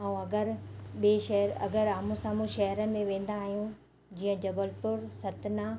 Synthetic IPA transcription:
aːũɐɡəɾɓeːʃɐɦɾɐ̰ɡəɾaːmũsãːmũʃɐɦɾənɪ̆mẽʋẽːn̆d̪aːɦijũ | d͡ʑiːə̃d͡ʑɐbəlpʊɾsɐt̪naː

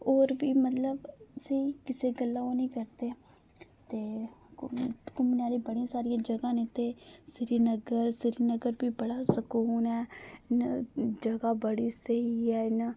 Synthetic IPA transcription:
oːɾbiːmət̪ləbsiːkɪseːɡəlːãːoːnĩːkəɾt̪eː | t̪eː | kʊmneaːliːbəɽĩsaːɾɪjãːd͡ʒəɡãːneːt̪eːsɪɾiːnəɡəɾsɪɾiːnəɡəɾbiːbəɽaːsəkuːnɛːnd͡ʒəɡaːbəɽiːsəɦiːɛːɪna

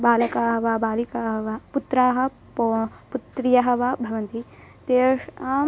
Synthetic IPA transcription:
baːlɐkaːɦɐʋaːbaːlikaːɦɐʋaːput̪ɾaːɦɐ̆ | put̪ɾijɐɦɐʋaːbʱɐʋɐnt̪i | t̪eːʂa

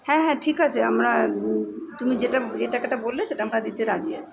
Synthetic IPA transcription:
hɛ̃ɦɛ̃ʈʰikat͡ʃʰeəmɾa | t̪ʊmid͡ʒeʈad͡ʒeʈakeʈabolːet͡ʃʰeʈɦəmɾad̪it̪ʰeɾad͡ʒia̰t͡ʃʰe̥

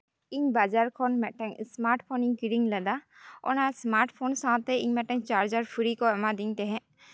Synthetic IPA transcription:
iɲbad͡ʒaɾkʰɔnmɛʔʈɛɲsmaɾʈpʰoniɲkiɾiŋlad̪a | ɔ̰nasmaɾʈpʰonsãt̪ɛiɲmɛʈɛɲt͡ʃaɾd͡ʒaɾpʰuɾikɔɛmad̪iɲt̪ɛ̃ɦɛ̃ʔ

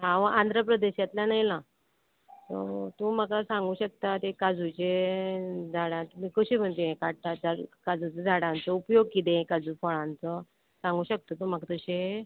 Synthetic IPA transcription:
ɦaʋãʔãnd̪ʱɾəpɾəd̪eɕjat̪lanajla | t̪o̰t̪ũm̤əkasãŋɡuːɕək̚t̪at̪ekad͡zut͡ɕe | d͡zʱaɽãt̪miːkəɕim̤əɳt̪iẽkaɽʈad͡zaɽkad͡zut͡sed͡zʱaɽãnt͡səupjoɡ̚kit̪ẽkad͡zufɔɭãnt͡sə | sãŋɡuːɕək̚t̪ət̪um̤akat̪əɕe

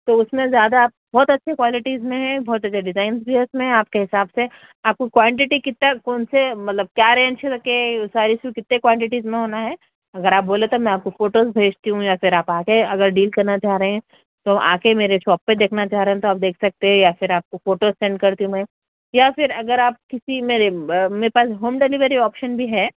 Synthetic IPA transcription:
t̪oʊsmẽzjaːd̪aːp̚bɔːt̪ɐtːʃʰekwaːlɪʈizmẽɦɛ̃bʱɔːt̪ɐtːt͡ʃʰeɖɪzaːɪnzbʱiʊsmẽɦɛ̃aːpkeɦɪsaːbse | aːp̚kikwaːɳʈ̬ɪʈikɪt̪ːakɔːnsemɐt̪ləb̚kjaːɾɦɛ̃nʃʰeɾɐkesaːɾisikɪt̪nekwãːɳʈɪʈizmẽɦoːnaɦɛː | ɐɡəɾaːp̚boːlet̪omɛ̃aːp̚kofoːʈoːzbʱeːd͡ʒt̪iɦũjafɪɾaːpaːkeɐɡəɾɖiːlkɐɾnat͡ʃaːɾɐɦɛ̃ | t̪oa̰ːkemeːɾeʃɔːpːed̪eːkʰnat͡ʃaːɾeɦɛ̃t̪oaːp̚d̪eːkʰsɐk̚t̪eɦɛ̃jafɪɾaːp̚kofoːʈozsɛ̃ːɳɖkɐɾt̪iɦũmɛ̃ː | jafɪɾɐɡəɾaːp̚kɪsimeːɾemeːɾepaːsɦoːmɖeliʋəɾiɔːpʃənbʱiɦɛː

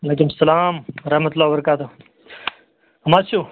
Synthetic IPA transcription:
ɐleːkumsɐlaːmɾɐhmɐt̪ulːaːwbɐɾɐkaːt̪o | hɐmaːt͡ʃʰuː

